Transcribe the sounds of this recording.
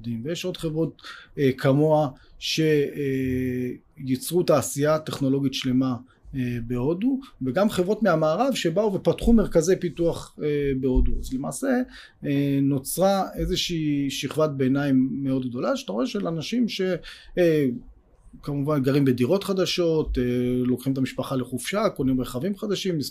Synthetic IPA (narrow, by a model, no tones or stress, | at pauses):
dimvejeʃo̞d̪χe̞vʁo̞t̚ːkʰamo̞aʃe̞ | jit͡sʁutaːsiat̪eχno̞lo̞ɡit̪ʃle̞ma | ebeo̞d̪uveɡamχevʁo̞tmeamaːʁavʃe̞bauve̞patχume̞ʁkaze̞jpituaχebeo̞d̪ua̰zlema̰ːse̞ | eno̞t͡sʁae̞zeʃiːʃiχvat̚beːnaimːeo̞d̪̚ɡ̚d̪o̞laʃat̪aʁoe̞ʃelanaʃimʃe̞ | kamuvanɡaʁimbediʁo̞t̪χad̪aʃo̞t̪elokχimet̪amiʃpaχale̞χufʃakonimʁeχavimχad̪aʃim